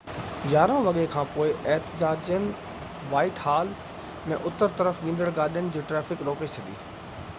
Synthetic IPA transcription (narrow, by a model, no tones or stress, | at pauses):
jaːɾãʋɐɠekʰãːpoːɪʔɛɦt̪ɪd͡ʑaːd͡ʑjənɪ̆ | ʋaːɪʈɦaːl | mẽʔʊt̪əɾt̪ɐɾəfʋĩːn̆d̪əɽɡaːɗijənɪ̆d͡ʑiːʈɾɛːfɪkɾoːket͡ɕʰɐd̪ḭː